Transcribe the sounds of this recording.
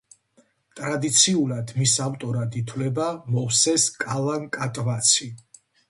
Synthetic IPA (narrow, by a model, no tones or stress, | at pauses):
t̪ʼɾad̪it̪sʰiulad̪misavt̪ʼɔɾad̪it̪ʰwlɛbamɔwsɛskʼalˠaŋkʼat̪ʼvat̪sʰi